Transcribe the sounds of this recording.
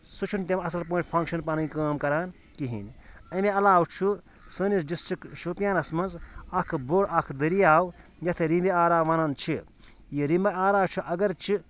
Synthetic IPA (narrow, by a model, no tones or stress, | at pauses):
sut͡ʃʰunt̪emɐsɐlp̬õːʈpʰɐ̃ŋkʃɐnpaːnĩkaːmkɐɾaːn | kiɦḭnɐmẽɐlaːwt͡ʃʰu | sɐːnisɖisʈɾikʃupjaːnɐsmɐnzɐkʰboːɾɐkʰd̪ɐɾijaːwjɐt̪ʰeɾimbiaːɾaːʋaːnaːnt͡ʃʰi | jiɾimbɐaːɾaːt͡ʃʰuʔɐɡɐɾt͡ʃʰi